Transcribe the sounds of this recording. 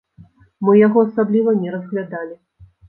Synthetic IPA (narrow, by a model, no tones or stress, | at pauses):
mɨjaɣɔasablʲivɐnʲɛɾɐzɣlʲad̪alʲi